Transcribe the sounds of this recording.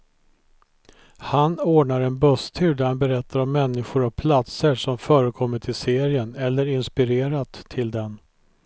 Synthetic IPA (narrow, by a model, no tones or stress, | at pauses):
hanoːɖɳaɾɛnbœst̪ʰʉ̟ːɖ̪æɾhanbɛɾɛt̪ʰːaɾɔmːɛnːɪɧʊɾavpʰlat̪səʂɔmfœːɾəkʰɔmːəʈʰɪlseːɾɪənɛlːəɾɪnspɪɾeːɾat̪ʰːɪld̪ɛn